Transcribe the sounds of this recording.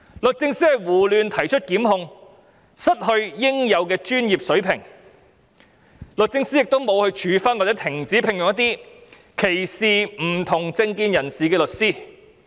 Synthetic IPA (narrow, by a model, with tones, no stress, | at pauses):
lɵ˨t̚t͡sɪ˧ŋsiː˥hɐ˨˧jwuː˨˩lyː˨˧nt̪ʰɐ˨˩jt͡ʃʰɵ˥t̚kiː˨˥mɦʊ˧ŋ | sɐ˥t̚hɵ˧ɥjɪ˥ŋjɐ˨˧wkɛː˧t͡ʃyː˥njiː˨p̚sɵ˨˥ɥpʰɪ˨˩ŋ | lɵ˨t̚t͡sɪ˧ŋsiː˥jɪ˨k̚t̪o˥wmo˨˧whɵ˧ɥt͡ʃʰyː˨˧fɐ˥nwaː˨t͡sɛː˨˥t̪ʰɪ˨˩ŋt͡siː˨˥pʰɪ˨ŋjʊ˨ŋjɐ˥t̪iː˥ | kʰe˨˩jsiː˨˩m̩˨˩t̪ʰʊ˨˩ŋt͡sɪ˧ŋkiː˧njɐ˨˩nsiː˨kɛː˧lɵ˨t̚siː˥